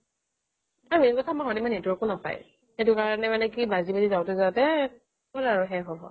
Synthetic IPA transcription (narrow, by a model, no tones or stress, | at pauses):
aɹuekɔtʰamaxɔdimanetuɔkonapa̰j | xetʊkaɹɔnɛmanɛkibazibazizawtɛzatɛ | ɔlaɹuxɛɦɔbɔ̰